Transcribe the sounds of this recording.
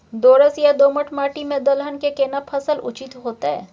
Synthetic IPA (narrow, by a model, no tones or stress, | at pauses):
d̪oːɾəsjad̪oːməʈmaːʈimẽd̪ɐlɦənkekeːnapʰɐsəlʊ̰t͡ʃɪt̪ɦoːt̪aɦɛ̰ː